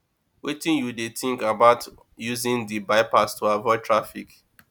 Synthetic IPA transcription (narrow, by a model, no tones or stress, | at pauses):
witĩnjudetĩŋkabaʊt | juzĩndibaɪpastʰuavɔɪtʰɹafḭk